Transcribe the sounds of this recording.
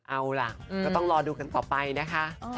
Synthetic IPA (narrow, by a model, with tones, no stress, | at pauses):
ʔa˧wla˨˩kːɔː˥˩t̪ɔ˥˩ŋɾɔː˧duː˧ka˧nt̪ɔː˨˩pa˧jna˦˥kʰa˦˥ʔ